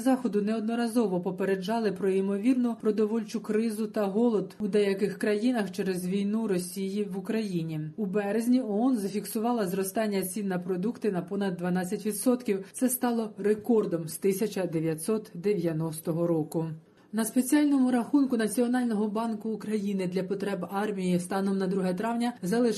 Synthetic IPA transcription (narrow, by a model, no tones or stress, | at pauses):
zɑxɔd̪ʊnɛɔd̪nɔɾɐzɔʋɔpɔpeɾe̞d͡ʒɑlˠɪpɾɔimɔʋʲirnʊpɾɔd̪ɔʋɔlʲt͡ʃʊkɾɪzʊt̪ɐɦɔlˠɔd̪ʊd̪ɛjɐkɪxkɾɐjinɐxt͡ʃɛɾezʋʲijnuɾɔsʲijiʋʊkɾɐjinʲiʊbɛɾezʲnʲiɔɔnzɐfʲiksʊʋɑlˠɐzɾɔst̪ɑnʲːɐt͡sʲinːɐpɾɔd̪ukt̪ɪnɐpɔnɐd̪ːʋɐnɑt͡sʲːɐtʲʋʲid̪sɔt̪kʲiwt̪sɛst̪ɑlˠɔɾekɔrd̪ɔmst̪ɪsʲɐt͡ʃɐd̪eʋʲjɐt̪ʲsɔt̪d̪eʋʲjɐnɔst̪ɔɦɔɾɔkʊ | nɐspe̞t͡sʲiɑlʲnɔmʊɾɐxunkʊnɐt͡sʲiɔnɑlʲnɔɦɔbɑnkʊːkɾɐjinɪd̪lʲɐpɔt̪ɾɛbɑrmʲijist̪ɑnɔmnɐd̪ɾuɦɛt̪ɾɑwnʲɐzɐlˠɪʃ